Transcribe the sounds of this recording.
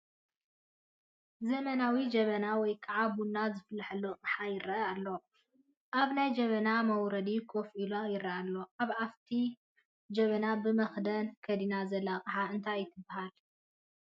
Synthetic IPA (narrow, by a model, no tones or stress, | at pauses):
zɐmɐnawid͡ʒɐβɐnawɔjkʼɐʕabunːazɨflħɐlːokʼħajɪɾɐalːo̞ | ʔaβnajd͡ʒɐβɐnamɐwɾɐd̪ikʰofʔilojɪɾɐalːo̞ʔaβaft̪ʰi | d͡ʒɐβɐnabɨmɐxd̪ɐnkʰɐd̪inazɐlːaqʼɨħaɨnt̪ʰajɪt̪ʰɨbːahal